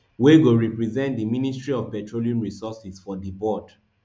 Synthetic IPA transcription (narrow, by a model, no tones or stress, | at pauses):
weɡoɹipɹizɛ̃ntdimĩnistɹiɔvpɛtɹoliũmɹisɔsisfɔðibɔd